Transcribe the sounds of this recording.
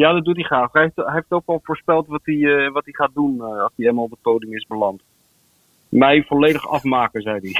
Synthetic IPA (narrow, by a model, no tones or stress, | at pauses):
jaːdɑdutiχraːχɦɛftɦeftokɑlˠvoːɹspɛlˠtʋɑtdiʋɑtdiχaːt̚dunɑlˠsdielmalˠbətowdɪŋɪsbəlɑnt | mɛjfɔlejdəχɑ̰fmaːkəzɛjdi